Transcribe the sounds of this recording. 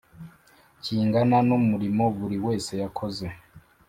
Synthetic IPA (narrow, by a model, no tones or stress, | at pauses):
ciːŋɡananumuɾimo̞βuɾiwe̞ːse̞jakʰo̞ze̞